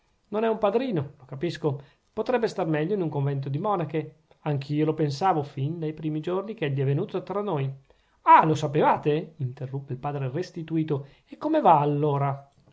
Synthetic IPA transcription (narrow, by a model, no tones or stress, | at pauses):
nonɛumpad̪ɾiːnolokapisko | pot̪ɾɛbːest̪armɛʎːoinuŋkoɱvɛnt̪̬od̪imɔːnake | aŋk̟ʰiolopensaːvofind̪ajpɾiːmid͡ʒornik̟ɛʎːiɛvenuːt̪ot̪ɾanːoj | alosapevaːt̪eint̪erːupːeilpaːd̪ɾerest̪it̪uiːt̪o | ekːomevaːlːoːɾa